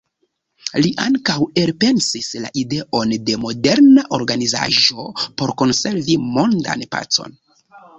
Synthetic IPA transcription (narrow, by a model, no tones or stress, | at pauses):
liʔaŋkawe̞lpe̞nsisla̰ʔide̞ʔo̞nde̞mo̞de̞ɾnaʔo̞ɾɡaniza̰ʒo̞po̞ɾko̞nse̞ɾvimo̞nda̰npa̰t͡so̞̰n